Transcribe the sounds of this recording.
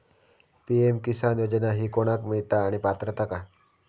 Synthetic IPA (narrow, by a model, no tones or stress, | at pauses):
piemkisanjod͡ʑənaɦiːkoɽ̃akmiɭt̪aːɽ̃ipat̪ɾət̪əka